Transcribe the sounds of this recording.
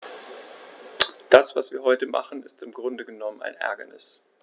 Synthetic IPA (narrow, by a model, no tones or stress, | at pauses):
d̥asv̥asv̥iːɐɦɔʏtəma̰χn̩ɪstɪmɡʁʊndəɡənɔməna̰ɪnʔɛ̰ɐɡɐnɪs